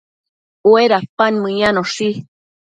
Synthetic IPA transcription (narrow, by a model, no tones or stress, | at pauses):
weɾapanmɨjanoʂi